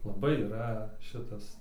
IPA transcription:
lˠɐˈbɐɪ iːˈrɐ ˈʃʲɪtɐs

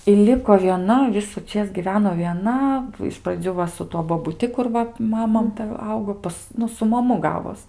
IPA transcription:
ɪ ˈlʲɪkoː ʋʲiɛˈnɐ ʋʲɪsʊˈt͡ʃʲeːs ɡʲɪˈʋʲæːnoː ʋʲiɛˈnɐ ɪʃ prɐˈd͡zʲuː ʋɐ sʊ ˈtuɔ boːbʊˈtʲɪ kʊr ˈʋɐ ˈmɑːmɐ ˈtɐ ˈɐʊɡoː ˈpɐs ˈnʊ sʊ mɐˈmʊ ˈɡɑːʋoːs

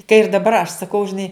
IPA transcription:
kɐ ɪr dɐˈbɐr ɐʃ sɐˈkɐʊ ʒʲɪˈnɐɪ

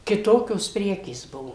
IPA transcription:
kʲɪˈtoːkʲoːs ˈpʲrʲæːkʲeːs ˈbʊʋoː

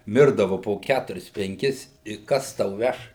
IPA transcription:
ˈmʲɪrdɐʋʊ poː ˈkʲætʊrʲɪs pʲɛŋʲˈkʲɪs ɪ ˈkɐs tɐʊ ˈʋʲɛʃ

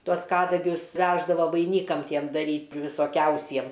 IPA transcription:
ˈtuɔs ˈkɑːdɐɡʲʊs ˈʋʲæːʒdɐʋoː ʋɐɪˈnʲiːkɐm ˈtʲiɛm dɐˈrʲiːtʲ ʋʲɪsoːˈkʲɛʊsʲiɛm

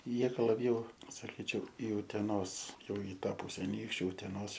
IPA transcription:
ˈjiɛ ˈɡɐlˠ lˠɐˈbʲjɛʊ sɐˈkʲiːt͡ʃʲɛʊ ɪ ʊtʲɛˈnoːs ˈjɛʊ ɪ ˈtɑː ˈpʊsʲɛ ɐˈnʲiːkʃʲt͡ʃʲʊ ʊtʲɛˈnoːs

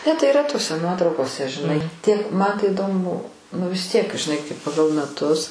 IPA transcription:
nʲɛ tɐɪ iːˈrɐ toːˈsʲɛ ˈnuɔtrɐʊkoːsʲɛ ʒʲɪˈnɐɪ ˈtʲiɛk mɐn tɐɪ ɪˈdoːmʊ ˈbʊʋoː nʊ ʋʲɪs tʲiɛk ʒʲɪˈnɐɪ kɐɪ pɐˈɡɐlˠ mʲɛˈtʊs

